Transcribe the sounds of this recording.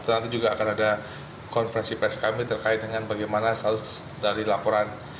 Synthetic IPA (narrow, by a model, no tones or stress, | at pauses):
t̪ənant̪id͡ʒuɡaːkanada | kɔnfəɾɛnsipɾɛskamit̪ərkaɪt̪̚dəŋanbaɡajmanasalʊs | daɾilapɔɾan